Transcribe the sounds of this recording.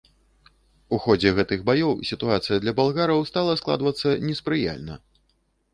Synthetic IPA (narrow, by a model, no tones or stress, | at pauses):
uxɔd͡zʲɛɣɛt̪ɨɣbajɔwsʲit̪uat̪sɨjɐd̪lʲɐbalˠɣaɾɐwst̪alˠɐsklˠa̰d̪vɐt̪sːɐnʲɛspɾɨja̰lʲnɐ̰